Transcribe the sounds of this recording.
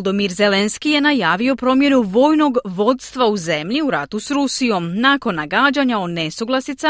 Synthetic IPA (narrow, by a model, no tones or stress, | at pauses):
d̪omiɾze̞lenskije̞najaːʋio̞pɾo̞mje̞nuʋo̞ːjno̞ɡʋo̞t̪st̪ʋauze̞mʎiuɾa̰t̪usɾusijo̞mnako̞nːaɡaːd͡ʑaɲaod̪nesuɡlˠasit̪sa